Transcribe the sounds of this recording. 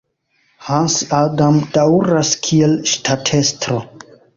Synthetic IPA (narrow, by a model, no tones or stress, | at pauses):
hansadamdawɾaskʰielʃtʰatʰe̞stɾo